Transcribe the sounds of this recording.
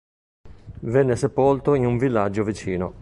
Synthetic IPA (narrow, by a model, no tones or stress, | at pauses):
vɛnːesepolt̪oinuɱvilːad͡ʒːovit͡ʃiːno̰